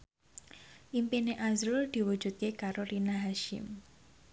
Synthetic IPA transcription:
ʔimpineʔazɾʊld̪̥i̤wud̥d͡ʒ̥ṳd̪̚kekaɾoɾinaɦaʃɪ̰m

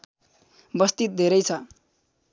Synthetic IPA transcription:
bʌst̪it̪̚d̪ʱeɾʌjt͡sʰʌ

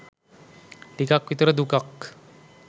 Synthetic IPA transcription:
ʈikakʋit̪ɾəd̪ukak

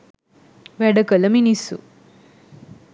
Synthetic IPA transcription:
ʋæɖəkələminisṵ

